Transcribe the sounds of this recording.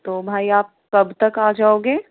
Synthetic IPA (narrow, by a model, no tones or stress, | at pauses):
t̪oːbʱaːiaːp̚kɐbt̪ɐkaːd͡ʒaːoːɡeː